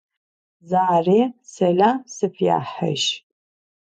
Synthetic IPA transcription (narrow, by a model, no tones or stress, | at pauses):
zaresɐlasɨfja̰ːħa̰ʃ